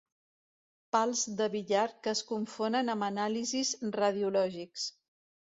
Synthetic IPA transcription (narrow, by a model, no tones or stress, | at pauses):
palˠzd̪əβiʎaɾkəːskuɱfonənəmənalizizrəð̞iulɔʒiks